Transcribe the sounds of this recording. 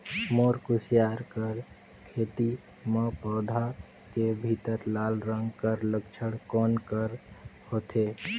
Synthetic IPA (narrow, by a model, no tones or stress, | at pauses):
moːɾkʊsjaːɾkəɾ | kʰeːt̪i | mə̃pɔːd̪ʱa | kebʱit̪əɾlaːlɾə̃ŋɡkəɾləkt͡ʃʰəɽkɔːnkəɾhoːt̪ʰeː